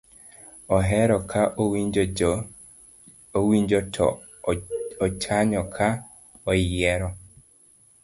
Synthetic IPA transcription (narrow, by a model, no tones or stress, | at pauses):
ɔɦɛɾɔkʰaʔoid͡ʒ | owiɲd͡ʒɔtʰɔ̰ | ɔt͡ʃaɲɔkʰa | ɔjɛɾɔ